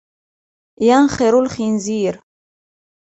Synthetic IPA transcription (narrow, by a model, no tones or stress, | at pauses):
janχeɾulχinziːɾ